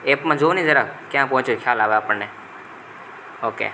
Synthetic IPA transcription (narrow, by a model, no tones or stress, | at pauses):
eːpmãːd͡ʒoːnĩːzəɾakjãːpɔ̃ːt͡ʃokʰjaːlaːʋeaːpəɳneː | oːkḛː